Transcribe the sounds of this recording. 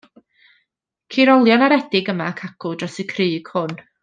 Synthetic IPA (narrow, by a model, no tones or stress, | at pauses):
kʰiɾɔlˠjɔnaɾɛdɪɡəmakʰaɡ̥ʊdrɔsikʰrɨːɡ̥hʊn